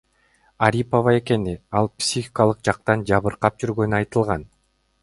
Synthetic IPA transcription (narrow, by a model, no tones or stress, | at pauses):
aɾʲipovɑe̞ke̞niɑlˠpsʲixʲi̥kalˠɯq̚d͡ʒɑq̚t̪ɑnd͡ʒɑβɯɾqɑp̚d͡ʒyɾɡø̞nyɑjt̪ɯlˠʁɑn